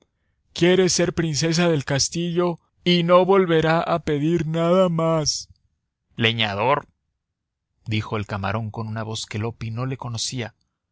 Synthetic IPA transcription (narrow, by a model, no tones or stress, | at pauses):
kje̞ɾe̞se̞ɾpɾinse̞s̬aðe̞lkast̪iʝo̞ | ino̞βo̞lβe̞ɾaʔape̞ðiɾnaðamas | le̞ɲaðo̞ɾ | d̪ixo̞elkama̰ɾo̞ŋko̞nunaβo̞ske̞lo̞pino̞le̞ko̞no̞sia